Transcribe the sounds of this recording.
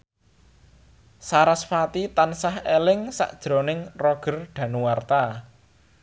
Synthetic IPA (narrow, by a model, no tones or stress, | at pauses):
saɾasfat̪it̪ansahelɪŋsa̰ʔd̥ʒ̥ɾonɪŋrɔɡ̥ə̤rɖ̥ä̤nuwart̪a